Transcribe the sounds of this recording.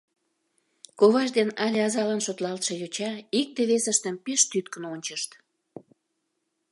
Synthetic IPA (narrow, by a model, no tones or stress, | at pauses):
koβɑʃd̪enɑlʲeɑzɑlɑnʃot̪lɑlt̪ʃejot͡ɕɑik̚d̪eβesəʃt̪əmpeʃt̪yt̪kənonʲt͡ɕəʃt̪